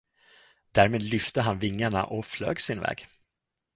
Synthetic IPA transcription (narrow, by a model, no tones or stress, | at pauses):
d̪̥æːɾmeːd̪lʏft̪əɦanvɪŋːaɳa̰ʔɔflø̰ːɡsɪnvɛ̰ːɡ